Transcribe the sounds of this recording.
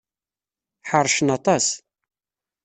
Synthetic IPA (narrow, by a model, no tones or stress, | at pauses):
ħəɾˤːʃənɑt̪ˤɑs